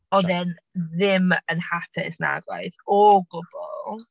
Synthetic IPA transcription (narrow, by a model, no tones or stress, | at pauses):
ɔðɛn | ðɪmənhapʰɪ̰sna̰ɡlˠa̰jðɔɡʊb̥ɔ̰lˠ